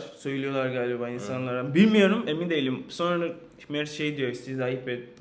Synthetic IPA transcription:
søjylʲijo̞lˠaɾɡaːlʲɛbainsanlˠaɾambilʲmijo̞ɾumemind̪ejilʲimso̞nɾad̪a | mɛɾʃejd̪ijo̞ist̪ʰizajipɛ

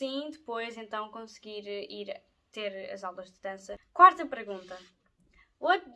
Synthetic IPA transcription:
sĩd̪ɨpojzẽnt̪ɐ̃w̃kõsɡiɾiɾ | t̪eɾɐ̰zawlˠɐʒd̪ɨd̪ɐ̃sɐkwaɾt̪ɐpɨɾɣũnt̪ɐ | o

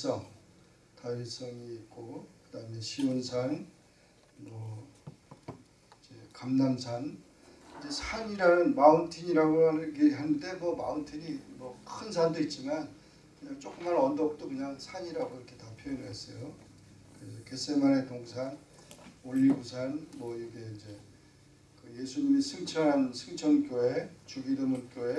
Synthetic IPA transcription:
s͈ʌŋ | tais͈ʌŋiːt̚k͈okɯdaɯme̞ɕʰiunsʰan | mʌ | id͡ʑe̞kamnamsʰan | d͡ʑe̞sʰaɲiɾanɯnmaɯntʰiɲiɾaɡoɦanɯɭɡiɾiɦande̞mwʌma̰ɯntʰiɲimʌkʰɯns̬ʰandoit̚t͡ɕ͈iman | kɯɲaŋt͡ɕ͈ok͈ɯmaɾʌndʌk̚t͈okɯɲaŋsʰaɲiɾaɡoiɾʌkʰe̞tapʰjʌjʌnɭɦe̞s͈ʌjo | kɯɾe̞s̬ʰʌke̞semane̞toŋsʰan | oʎːiɡusʰanmwʌiɾʌkʰe̞ind͡ʑe̞ | kɯje̞sʰuɲimisʰɯŋt͡ɕʰʌnɦansʰɯŋt͡ɕʰʌnk͈joe̞t͡ɕuɡidɯmunk͈joe̞

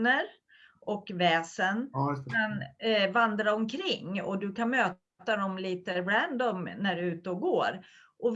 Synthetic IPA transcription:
nəɾ | ɔkvɛːsənanvand̪ɾaɔmkʰɾɪŋːɔ̰d̪ɵkʰanmøː | t̪ad̪ɔmliːt̪əbɾænd̪ɔmnæɖɛʉ̟ːt̪əɔɡoːɾ | ʔɔv

